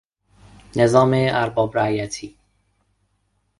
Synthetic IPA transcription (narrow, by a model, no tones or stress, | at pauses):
nezɒːmeæɾbɒːbɾæjæt̪ʰiː